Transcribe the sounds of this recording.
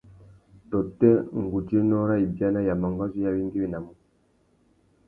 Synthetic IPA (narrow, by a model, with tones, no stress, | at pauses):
tɔ˨tːɛ˦ŋ˨ɡu˨ti˦nɔ˦ɾa˦i˨bja˦la˦ja˨ma˨ŋɡa˦zi˦ja˦βi˦ŋɡi˦βi˦˨na˨mu˨